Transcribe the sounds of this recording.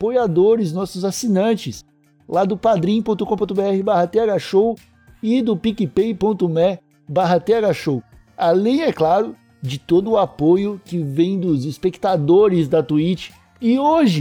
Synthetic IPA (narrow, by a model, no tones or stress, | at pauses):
pojad̪oɾɪznɔsʊzasinɐ̃t͡ʃɪs | lad̪ʊpad̪ɾĩpõt̪ʊkõpõt̪ʊbeɛhɪbaɦɐt̪eaɡaʃow | ɪd̪ʊpikɪpejpõt̪ʊmɛ | baɦɐt̪eaɡaʃow | alẽj̃ɛklaɾʊ | d͡ʒɪt̪od̪ʊːapojʊkɪvẽj̃d̪ʊzispekt̪ad̪oɾɪzd̪ɐt̪uit͡ʃɪ̥ | ɪoʒɪ